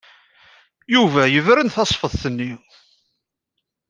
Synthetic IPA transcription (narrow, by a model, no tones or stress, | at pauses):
juvæjəvɾənθɑsˤfəðˤθənːi